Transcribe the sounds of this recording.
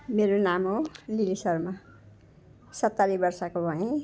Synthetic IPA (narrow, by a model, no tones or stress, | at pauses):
meɾonamɦolilisʌrma | sʌt̪ːaɾibʌrsakobʱʌẽ